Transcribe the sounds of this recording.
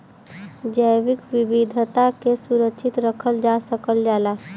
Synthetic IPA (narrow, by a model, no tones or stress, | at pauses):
d͡ʒəjʋikʋibid̪ʱət̪akesuɾəkʃʰit̪ɾəkʰəld͡ʒasəkəld͡ʒala